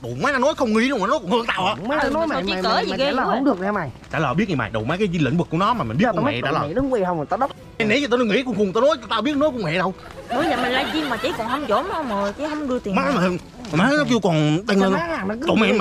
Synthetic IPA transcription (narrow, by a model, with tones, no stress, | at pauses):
ɗo̰˨˩maː˨˦naː˨˧˩nɔ˨˦jxə˧wŋ͡mŋḭ˧˥lʊ˧ŋ͡mʔaː˨˩nɔ˨˦jkʊ˧˩nhɨ˧ŋt̪a̰ː˧˨wʔaː˧˩˨ŋ͡mɔ˨˦˨t͡ɕi˧˨kəː˧˦zŋ͡mɗɨ˨ək̚nɛ˨˧ma˨˩t͡ɕaː˧ləː˨˩ɓi˦˥t̚ɲi˨˩ma̰ː˨˩jɗo˨˩maː˨˦kaː˨˦zi˧lə̰˧˨nvɨ˨˩kːu˧˩ənɔ˨˦maː˨˩m˨˩ni˦˥tkːm̰˦˧˨t͡ɕa̰ː˧˦ləː˨˩˧ɗɨ˨˦ŋkwe˧hə˧ŋ͡mm˨˩t̪aː˧˩ɗə˦w̚ | ɛ˧nḭ˧˨˦t͡ɕːt̪o˧nɔ˧˦ŋḭ˧˥kʊ˧ŋ͡mxŋt̪o˧nɔ˨˦jt̪a˧˩ɓi˦˥ət̚ːnɔ˨˦jkŋ͡mwɛ̰˧˨ɗə˧w | no˨˦jɲa˨˩mə˨˩ŋlaː˧zi˧maː˨˩t͡ɕi˨˦kɔ˨˩nhə˧wŋ͡mzo˧˨˦ma˧mo˨˩jt͡ɕḭ˧˦ɦə˧wŋ͡mɗɨ˧ət̪i˨˩˨ma˨˦˨mː˨˩ə˧˨˩ | nə˨˦nɔ˨˦ki˧wkɔ˨˩nt̪a˧ŋə˧nː˧˦˨t̪o̰˨mɛ˧˨m˨